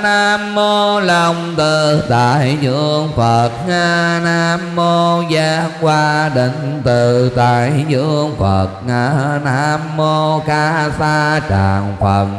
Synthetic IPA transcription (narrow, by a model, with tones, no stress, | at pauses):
naː˧mːo˧lɔ˨˩wŋ͡mt̪ɨ˨˩t̪a̰ː˧˨jzɨ˧˩əəŋfə˨˩t̚ŋaː˧naː˧mːo˧zaː˧ŋkwaː˧ɗə˧˨˩ŋ̟t̪ɨ˨˩t̪aː˧˨jzɨ˧˥əəŋfə˨˩t̚ŋaː˧˩naː˧mːo˧kaː˧˥saː˧t͡ɕaː˨˩ŋfə˨˧˩n̚